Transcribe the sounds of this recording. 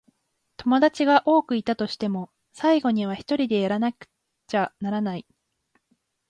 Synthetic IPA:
t̪o̞mo̞d̪at͡ɕiɡaʔo̞ːkɯ̟it̪at̪o̞ɕi̥t̪e̞mo̞ | saiɡo̞ɲ̟iβ̞açi̥t̪o̞ɾʲid̪e̞jaɾanakɯ̟̥ | t͡ɕanaɾanai

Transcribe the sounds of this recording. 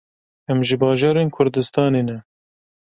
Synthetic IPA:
ɛmʒɨbɑːʒɑːɾeːnkʰʊɾd̪ɨst̪ɑːneːnɛ

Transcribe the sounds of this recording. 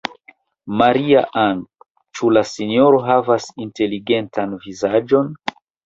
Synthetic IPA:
maɾia̰ʔaŋk | t͡ʃulasinio̞ɾo̞ɦavasinte̞liɡe̞ntanvizad͡ʒo̞n

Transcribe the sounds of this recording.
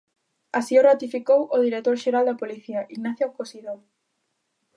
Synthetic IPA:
asiorat̪ifikowoð̞iɾet̪oɾʃeɾald̪apoliθiaʔiɣnaθjakosiðo

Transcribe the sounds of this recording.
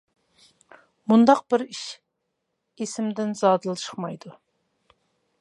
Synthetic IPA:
mund̪ɑq̚bɪɾiʃ | esɪmd̪ɪnzɑːd̪ɨlˠt͡ʃʰə̥χmɑjd̪u

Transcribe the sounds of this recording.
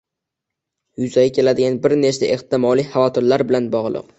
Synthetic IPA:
jʊzaɡʲakʲʰe̞lad̪ɪɡʲanbɪɾnet͡ʃt̪aʔeht̪ɪmɒlˠijhavɒt̪ʰɪɾlaɾbɪlanbɒʁlˠɨ̰q

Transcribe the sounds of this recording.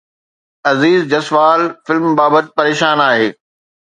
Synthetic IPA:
ɐziːzd͡ʑɐsʋaːlfɪlmbaːbət̪̚pɐɾeːʃaːnaːɦeː

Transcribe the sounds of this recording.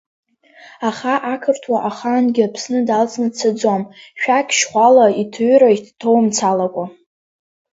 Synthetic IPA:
aχaʔakʰɨrtʰwaʔaχanɡʲɪapʰsnɨdalt͡sʼnɨt͡sʰad͡zamʃᶣakʲʃχʷalaitʰɨɥɾaitʰtʰowmt͡sʰalakʷʼa

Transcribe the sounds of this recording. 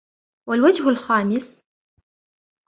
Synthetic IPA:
walwad͡ʒhʊlxaːmɪs

